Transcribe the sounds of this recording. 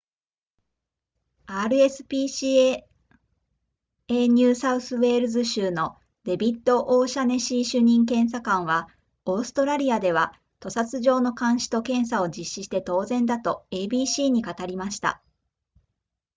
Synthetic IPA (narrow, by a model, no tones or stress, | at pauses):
aːɾɯ̟e̞sɨ̥pʲiːɕi | eɲ̟ʲɨːsaɯ̟sɨβe̞ːɾɯ̟zɨɕɨːno̞ | d̪̥e̞bʲit̪ːo̞ʔoːɕane̞ɕiːɕɨɲ̟ĩŋkẽ̞ɰ̃s̬akãɰ̃βa | o̞ːsɨ̥t̪o̞ɾaɾʲiad̪e̞β̞a | t̪o̞sat͡sɨʑo̞ːno̞kãɰ̃ɕi̥t̪o̞kẽ̞ɰ̃s̬ao̞d͡ʑiɕːiɕi̥t̪e̞t̪o̞ːzẽ̞nd̪at̪o̞eːbʲiːɕiːɲ̟ikat̪aɾʲimaɕi̥t̪a̰